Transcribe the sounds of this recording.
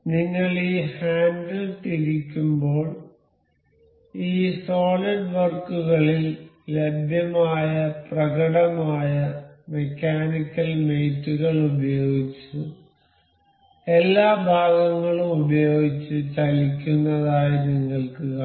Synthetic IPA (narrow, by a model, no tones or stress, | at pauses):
niŋːɐɭiːhaːnɖɐlt̪iɾikʲːumbo̞ːɭ | iːso̞ːlɐɖʋɐrkuɣɐɭilː | ebʱjɐmaːjɐprɐɣɐɽɐmaːjɐme̞kʲːaːnikʲːɐlme̞jtːuɣɐɭubɐjo̞ːɡit͡ɕːu | e̞lːaːbʱaːɡɐŋːɐɭumubɐjo̞ːɡit͡ɕːɨt͡ɕɐlikʲːunːɐðaːjɐniŋːɐɭkuɣɐ